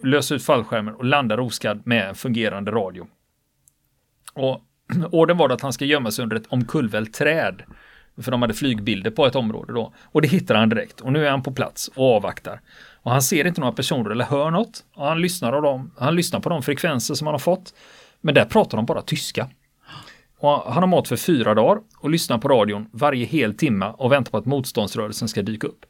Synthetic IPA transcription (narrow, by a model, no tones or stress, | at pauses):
løːsɾʉ̟ːt̪falːɧæɾmənɔland̪aɾuːskad̪mɛɛnfɵŋɡeːɾand̪əɾɑːd̪ɪʊ | ɔ | oːɖənvɑːɖɛat̪hanskajœmːasɛjɵnd̪əɾɛt̪ʰɔmkʰɵlvɛlt̪ʰɾɛːd̪ | fœɖɔmhad̪ːəflyːɡbɪld̪əɾpʰɔɛt̪ɔmɾo̰ːd̪əd̪ɔ | ɔd̪ɛɦɪt̪ːad̪əhand̪ɪɾɛ̰kt̪ʰɔnʉ̟ːæɾhanpʰɔpʰla̰t̪sɔɑːva̰kt̪a̰ɾɔhanseːɾɪnt̪ənoːɾapʰæʂuːnəɾɛlːəɾɦœːɳɔt̪ːɔhanlʏsnaɾɔd̪ɔmhanlʏsnaɾpʰɔd̪ɔmfɾɛkʰvɛnsəʂɔmhanhaɾfɔt̪ː | mɛnd̪æɾpʰɾɑːt̪aɾɖɔmbɑːɾat̪ʰʏska | ɔɦanhaɾmɔt̪fœɾfyːɾad̪ɑːɾ | ɔlʏsnaɾpʰɔɾɑːd̪ɪʊnvaɾjəɦeːlt̪ʰɪmːaʔɔvɛnt̪aɾpʰɔat̪muːt̪st̪ɔnd̪sɾœːɾəlsənskad̪yːkaɵpː